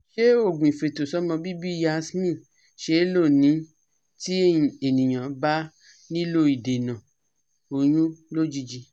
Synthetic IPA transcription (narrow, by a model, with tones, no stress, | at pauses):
ʃe˦o˦˨ɡ͡bũ˨ĩ˨fe˨to˨sɔ˨˦mɔ̃˧bi˦bi˦ja˧˦smĩ˦˨ | ʃe˦lo˦˨nĩ˨˦ | ti˦˨e˨nĩ˨j̃ã˨˦ba˦ | nĩ˦lo˦i˨de˨nã˨ | o˧j̃ũ˦lo˦d͡ʒi˦d͡ʒi˧